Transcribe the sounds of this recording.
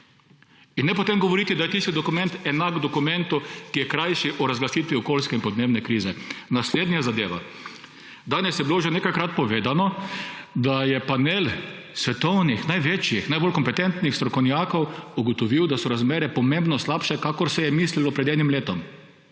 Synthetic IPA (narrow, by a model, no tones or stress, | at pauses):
inːɛpɔt̪emɡɔʋɔɾiːt̪id̪ajɛt̪ist̪id̪ɔkumɛnt̪ɛnakd̪ɔkumɛnt̪ukijɛkɾajʃiʔɔɾazɡlasiːt̪ʋiɔkoːlskɛinpɔd̪neːbnɛkɾiːzɛnasleːd̪nʲijazad̪eːʋa̰ | d̪aːnɛsjɛbiloʒɛneːkajkɾat̪̚pɔʋeːd̪anɔ | d̪ajɛpaneːl | sʋɛt̪ɔwnixnajʋeːt͡ʃjixnajboːlkɔmpɛt̪ɛnt̪nixst̪ɾɔkɔwnjaːkɔwuɡɔt̪ɔʋiwd̪asɔɾazmeːɾɛpɔmembnɔslapʃɛkakɔɾsɛjɛmiːslilɔpɾɛd̪ɛːnimleːt̪ɔm